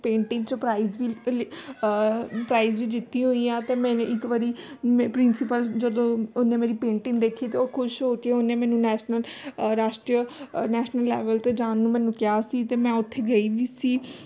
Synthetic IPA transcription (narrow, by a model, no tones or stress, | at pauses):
pẽːɳʈɪ̃ŋt͡ʃpɾaːizʋi | pɾaːizʋiːd͡ʒɪt̪ːiːɦoiːãːt̪eːmɛ̃ːneʔɪkʋəɾiːmpɾɪnsɪpəld͡ʒəd̪õːʊnːẽːmeːɾiːpẽːɳʈɪ̃ŋɡd̪eːkʰːiːt̪eoːkʰʊʃɦoːkeeʊnːeːmɛ̃ːnũːnɛːʃnəlɾaːʃʈɾiənɛːʃnəlːɛːʋəlt̪eːd͡ʒãːnːũmɛ̃ːnũːkɪjaːsiːt̪eːmɛ̃ːʊt̪ʰːeːɡəiːʋiːsiː